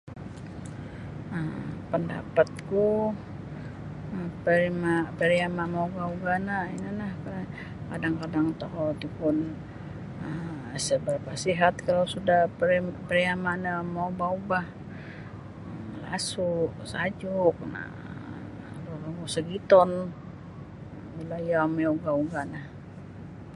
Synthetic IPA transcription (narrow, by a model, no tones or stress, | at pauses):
əpənda̰pat̪̚ku | əpəɾimapəɾiamamauɡauɡanainanahka | kadaŋkadaŋt̪oɦot̪upʊn | əm | səbərpasiɦat̪̚kalawsudahpəpəɾiamanamaubaubah | la̰suʔsad͡ʒuʊk̚na̰ | luɾaɡusəɡit̪ɔn | milajameuɡauɡanah